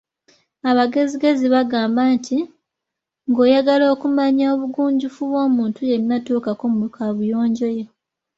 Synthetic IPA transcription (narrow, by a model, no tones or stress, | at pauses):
aβaɡe̞ziɡe̞ziβaɡaːmbaːntʰi | ŋɡo̞ːjaɡalo̞ːkumaɲaoβuɡuːɲɟufuβwo̞ːmuːntuje̞ɾinatuːkakomukʰaβujo̞ːɲɟo̞je̞